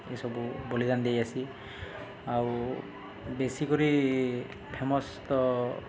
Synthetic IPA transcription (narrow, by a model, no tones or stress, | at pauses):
ḛjsɔbubolid̪and̪ejasi | aw | besikoɹi | pʰɛmɔst̪ɔ